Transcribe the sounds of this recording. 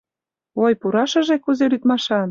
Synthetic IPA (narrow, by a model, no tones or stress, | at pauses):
ojpuɾɑʃə̆ʒekuzelyt̪mɑʃɑn